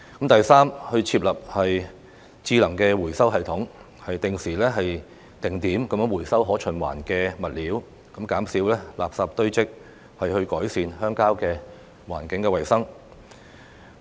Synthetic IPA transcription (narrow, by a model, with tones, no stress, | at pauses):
kɐ˨˥mt̪ɐ˨jsaː˥mhɵ˧ɥt͡sʰiː˧p̚lɐ˨p̚hɐ˨j | t͡siː˧lɐ˨˩ŋkɛː˧wuː˨˩jsɐ˥wɦɐ˨jt̪ʰʊ˨˥ŋ | hɐ˨jt̪ɪ˨ŋsiː˨˩lɛː˥ɦɐ˨j | t̪ɪ˨ŋt̪iː˨˥mkɐ˨˧˥m˥wuː˨˩jsɐ˥wɦɔː˨˥t͡ʃʰɵ˨˩nwa̰ː˨˩nkɛː˧mɐ˨t̚liː˨˥w | kɐ˨˥mkaː˨˥msiː˨˥wlɛː˥la̰ː˨p̚saː˨p̚t̪ɵ˥ɥt͡sɪ˥k̚ | hɐ˨jhɵ˧ɥkɔː˨˥jsiː˧nhœː˥ŋkaː˥wkɛː˧ | waː˨˩nkɪ˨˥ŋkɛ˧wɐ˨˩jsɐ˥ŋ